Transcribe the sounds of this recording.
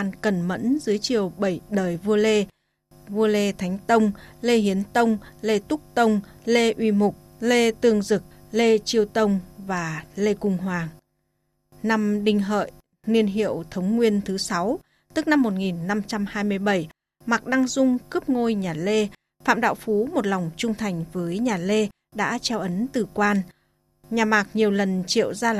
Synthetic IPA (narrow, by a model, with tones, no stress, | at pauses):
aː˧nkə˨˩nmə̰˧˥nzɨ˨˦əjt͡ɕi˨˩əwɓə˧˩jɗəː˨˩jvu˧əle˧ | vu˧əle˧t̪ʰa˨˦jŋ̟t̪ə˧wŋ͡mle˧hi˨˦ənt̪ə˧wŋ͡mle˧t̪ʊ˦˥k͡p̚t̪ə˧wŋ͡mle˧ʔwi˧mʊ˨˩k͡p̚le˧t̪ɨ˧˩əŋzɨ˨˩k̚le˧t͡ɕi˧əwt̪ə˧wŋ͡mvaː˨˩le˧kʊ˨˧˩ŋ͡mɦwaː˨˩ŋ | na˧mɗï˧ŋ̟ɦə̰ː˧˨j | ni˧ənɦḭ˧˨əwt̪ʰə˨˦wŋ͡mŋwi˧ənt̪ʰɨ˨˦sa˨˦w | t̪ɨ˦˥k̚na˧mːo˨˩t̚ŋi˨˩nːa˧mt͡ɕa˧mhaː˧jmɨ˧əjɓə˧˩j | ma˨˩k̚ɗa˧ŋzʊ˧ŋ͡mkɨ˦˥p̚ŋo˧jɲaː˨˩le˧ | fa̰ː˧˨mɗa̰ː˧˨wfu˨˦mo˨˩t̚la˨˩wŋ͡mt͡ɕʊ˧ŋ͡mt̪ʰa˨˩jŋ̟vəː˨˦jɲaː˨˩le˧ | ɗa̰ː˧˥t͡ɕɛ˧wʔə˨˦nt̪ɨ˨˩kwaː˧n | ɲaː˨˩maː˨˩k̚ɲi˨˩əwlə˨˩nt͡ɕḭ˧˨əwzaː˧